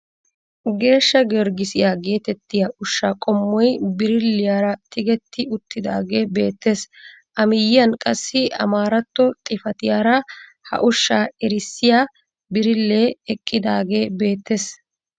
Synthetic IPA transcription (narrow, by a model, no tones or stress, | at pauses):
ɡe̞ːʃːɐɡɛɾɡɪsɪjaːɡe̞ːt̪ɛt̪ːɪjaʔʊʃːaːkʼɔmːɔjbɪɾɪlːɪjaːɾɐt̪ʰɪɡɛt̪ːɪʊt̪ːɪd̪a̰ːɡe̞ːbe̞̰ːt̪ːeːs | ʔɐmɪjːɐnkʼɐsːɪʔɐ̰maːɾɐt̪ːɔt̪ʼɪfɐt̪ɪjaːɾɐ | hɐ̰ʔʊʃːaːɛɾɪsːɪjaː | bɪɾɪlːeːɛkʼːɪd̪aːɡe̞ːbe̞ːt̪ːeːs